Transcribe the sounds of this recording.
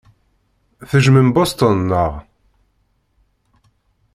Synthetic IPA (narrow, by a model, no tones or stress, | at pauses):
θəʒməmbost̪ənːəʁ